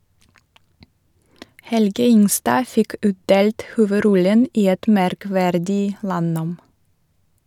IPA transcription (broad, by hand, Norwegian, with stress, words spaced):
ˈhɛlɡə ˈɪŋˌstɑː ˈfɪk ˈʉːtˌdeːlt ˌhuːʋəˈɾɔlən ˈiː ˈɛt mæɾˈkʋæɾdɪ ˈlɑˌnoːm